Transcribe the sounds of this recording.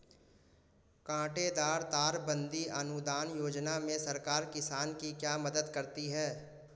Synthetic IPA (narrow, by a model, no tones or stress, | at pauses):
kãːʈed̪aːɾt̪aːɾbə̃nd̪iʔɐnʊd̪aːnjoːd͡ʒnamẽsɐɾkaːɾkɪsaːnkikjaːmɐd̪əd̪kɐɾt̪iɦɛː